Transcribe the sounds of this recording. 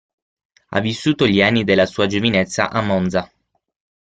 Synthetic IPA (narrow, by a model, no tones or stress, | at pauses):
a̰vːisːuːt̪oʎianːid̪elːasuːad͡ʒovinet̪sːa̰ʔamːɔnd̪za